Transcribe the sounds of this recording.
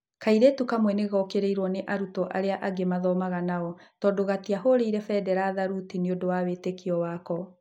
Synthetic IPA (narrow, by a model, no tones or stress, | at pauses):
kaiɾetukamwɛneɣɔkeɾeiɾwɔneʔaɾutɔʔaɾeaʔaɡemaðɔmaɣanaɔtɔːdoɣatiaɦoɾeiɾɛfɛdɛɾaðaɾutineodowawetekiɔwakɔ